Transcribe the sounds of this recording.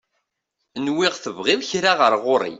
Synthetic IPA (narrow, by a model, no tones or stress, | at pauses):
nwɪʁθəvʁɪðˤçɾaʁəɾʁʊɾˤḭ